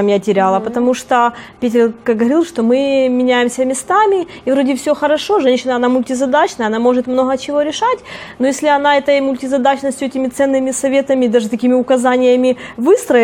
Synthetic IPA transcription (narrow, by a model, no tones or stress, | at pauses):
mjatʲɪɾʲalˠəpət̪ɐmuʂt̪opʲetʲɪrkɐɡəvɐɾʲilˠʂt̪o̞mɨmʲɪnʲæjɪmsʲəmʲɪst̪amʲɪivɾodʲɪfsʲoxəɾɐʂo̞ʐɛnʲɕːɪnəɐnamʊlʲtʲɪzɐd̪at͡ɕnəjɐnamo̞ʐɨt̪mno̞ɣət͡ɕɪvo̞ɾʲɪʂatʲnojesʲlʲɪɐn̪aɛt̪əjmʊlʲtʲɪzɐd̪at͡ɕnəsʲtʲʊɛtʲɪmʲɪt̪sɛnːɨmʲɪsɐvʲe̞t̪əmʲɪd̪aʐɨt̪ɐkʲimʲɪʊkɐzanʲɪjəmʲɪvɨst̪ɾə